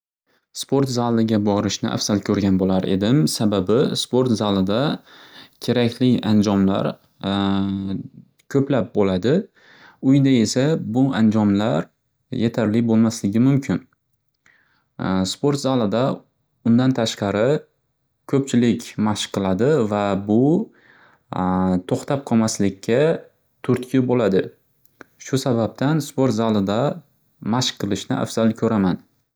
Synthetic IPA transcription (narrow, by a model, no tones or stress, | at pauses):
spʰo̞ɾt̪zalˠɪɡʲabɒɾɪʃnɪ̰ʔa̰fsalkʲʰɵɾɡʲanbolaɾe̞̰d̪ɪmsababɪspo̞ɾt̪zalˠɪd̪a | kʲʰe̞ɾakʲʰlɪand͡ʒɒmla̰ɾ | kʲʰɵplap̚bolad̪ɪ | ʊjd̪ae̞sabʊand͡ʒɒmlaɾ | jet̪ʰaɾlɪbolˠmaslɪɡʲɪmʊmkʲʰɪn | spoɾt̪zalˠɪd̪a | ʊnd̪ant̪ʰaʃqɑɾɪ | kʰɵpt͡ʃʰɪlɪkʲmaʃqʰːɨlˠad̪ɪvabʊ | t̪ʰoχt̪ʰap̚qʰɒmaslɪkʲʰːa | t̪ʰʊɾt̪kʰʲɪbolad̪ɪ | ʃʊsabap̚t̪ʰanspoɾt̪zalˠɪd̪a | maʃqʰːɨlˠɪʃnɪ̰a̰fz̥alˠkʲʰɵɾaman